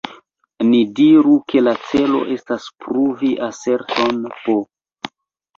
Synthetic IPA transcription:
nidiɾuke̞lat͡se̞lo̞̰ʔe̞staspɾuviʔase̞ɾto̞npo

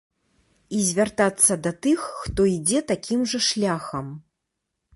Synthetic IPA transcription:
izʲvʲart̪at̪sːɐd̪ɐt̪ɨxːt̪ɔid͡zʲɛt̪akʲimʐɐʂlʲaxɐm

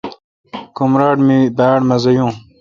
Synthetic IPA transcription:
kumɾaːʈmibaːɽmɐzɐjũː

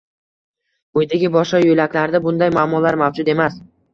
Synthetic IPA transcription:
ʊjd̪aɡʲɪbɒʃɒjolakʰʲlaɾd̪abʊnd̪ajmaːmɒlaɾmawd͡ʒʊd̪e̞mas

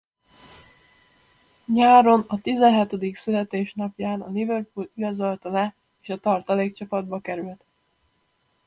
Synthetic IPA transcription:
ɲaːɾo̞nɒt̪izɛnɦɛt̪od̪iksylɛt̪eːʃnɒpjaːnɒlivørpuliɡɒzo̞lt̪ɒlɛ | eːʃɒt̪ɒrt̪ɒleːkt͡ʃɒpɒd̪bɒkɛɾylt̪

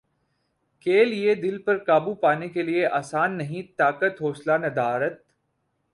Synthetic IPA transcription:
keːlied̪ɪlpɐɾkaːbupaːnekelieʔaːsaːnːɐɦĩt̪aːkət̪ɦoːslanɐd̪aːɾət̪̚

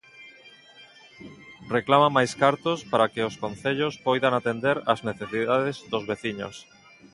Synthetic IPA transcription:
reklamamajskaɾt̪ospaɾakɪoskonθeʎospojðaŋat̪end̪eɾazneθesiðaðezðozβeθiɲo̰s

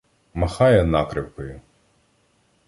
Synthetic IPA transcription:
mɐxɑjɛnɑkɾɪwkɔjʊ

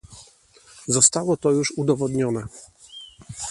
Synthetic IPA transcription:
zɔst̪awɔt̪ɔjuʂud̪ɔvɔd̪ɲɔnɛ

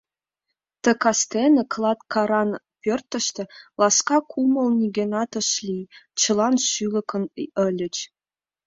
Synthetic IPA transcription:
t̪ə̆kɑst̪enəklˠɑt̪kʰɑɾɑn | pʲørt̪ə̆ʃt̪ə̆lɑskɑkʰumə̆lnʲiɡʲenɑt̪əʃlʲit͡ʃə̆lɑnʃylə̆kʰənʔə̆lʲət͡ʃ

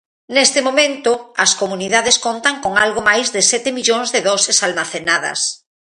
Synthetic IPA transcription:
nest̪ɪmomẽnt̪ʊɐskomuniðaðeskont̪aŋkoŋalɣomajzðɪsɛt̪ɪmiʎõŋzðɪðɔsesalmaθenað̞ɐ̰s

